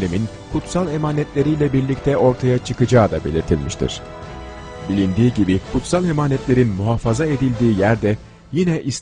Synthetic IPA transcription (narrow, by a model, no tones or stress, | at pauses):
lʲemin | kʰut̪salˠe̞maːnɛt̪lʲe̞ɾijlʲɛbiɾlʲic̚t̪ʰɛʔo̞ɾt̪ʰajat͡ʃʰɯkɯd͡ʒaːd̪abe̞̰lʲiɾt̪ʰilʲmiʃt̪ʰḭɾ̥ | bilʲind̪iːɟibikʰut̪salˠe̞maːnɛt̪lʲe̞ɾinmuɦafazae̞d̪ilʲd̪iːjæɾd̪ɛ | jinɛʔis